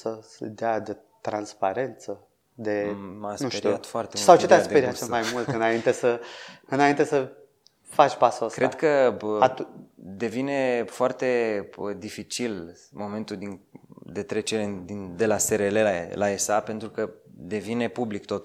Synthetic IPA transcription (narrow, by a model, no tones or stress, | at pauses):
səsd̪ead̪et̪ɾanspaɾe̞nt̪sə | d̪emasnueɾiat̪foart̪eusawt͡ʃet̪easp̪eɾiat̪ʃemajmmult̪ɨnaint̪esəɨnaint̪e̞sə | fat͡ʃpasoskɾʔed̪kə | d̪e̞vine̞foart̪e̞bəd̪ifit͡ʃil | mo̞me̞nt̪ud̪ind̪e̞t̪ɾe̞t͡ʃeɾed̪ind̪e̞laseɾelelaesape̞nt̪ɾukəd̪e̞vine̞publikt̪o̞t̪